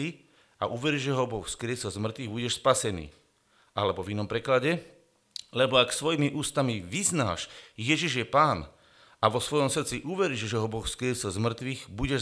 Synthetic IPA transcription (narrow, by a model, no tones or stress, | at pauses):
i | a̰ʔuʋɛɾiʒɛɦɔbɔxfskɾɪɛsɛlzmr̩t̪ʋiɣbuɟɛʃspasɛnḭː | alɛbɔvinɔmpɾɛklaɟɛ | lɛbɔaksʋɔjimiʔuːst̪amiʋizna̰ːʃjɛʒiʒjɛpaːn | aʋɔsʋɔjɔmsr̩t̪t͡siʔuʋɛɾiʒʒɛɦɔbɔxfskɾɪɛsɛlzmr̩t̪ʋiɣbuɟɛ